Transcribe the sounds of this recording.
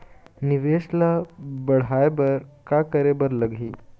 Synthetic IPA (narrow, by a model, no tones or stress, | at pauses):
niʋeslabəɽ̤ajbəɾkakəɾebəɾləɡʱiː